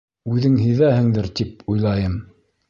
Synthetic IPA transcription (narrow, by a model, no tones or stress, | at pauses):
ʉðɘŋɦɘ̆jðæhɘ̆ŋd̪ɘɾt̪ip̚ujlˠɑjɤm